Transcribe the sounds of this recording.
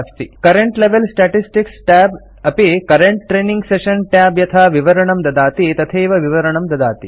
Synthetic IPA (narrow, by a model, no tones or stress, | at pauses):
st̪ikɐɾeɳʈleʋelsʈaʈisʈiksʈaːb | ɐpikɐɾeɳʈʈɾeːniŋɡseʃɐnʈaːbjɐt̪ʰaːʋiʋɐɾɐɳɐmd̪ɐd̪aːt̪it̪ɐt̪ʰeːʋɐʋiʋɐɾɐɳɐmd̪ɐd̪aːt̪i